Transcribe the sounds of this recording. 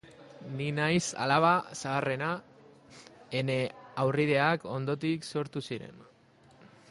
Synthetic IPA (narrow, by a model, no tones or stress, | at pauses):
ninajsa̰laβ̞asaːre̞na | ene̞awrið̞e̞ako̞nd̪o̞t̪ikso̞ɾt̪usiɾe̞̰n